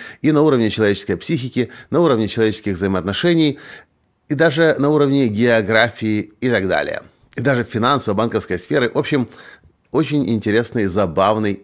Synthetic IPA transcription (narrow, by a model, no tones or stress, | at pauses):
inɐuɾəvnʲɪt͡ɕɪlˠɐvʲet͡ɕɪ̥skəjpsʲixʲɪkʲɪnɐuɾəvnʲɪt͡ɕɪlˠɐvʲet͡ɕɪskʲɪɣvzəɪməɐt̪nɐʂɛnʲɪj | id̪aʐɨnɐuɾəvnʲɪɡʲɪɐɡɾafʲɪɪɪt̪aɡd̪a̰lʲɪ̰jə̰ | ɪd̪aʐɨfʲɪnansəvəbankəfskəjsfʲeɾɨʔo̞pɕɪm | ot͡ɕɪnʲɪ̰nʲtʲɪɾʲesnɨjzɐbavnɨj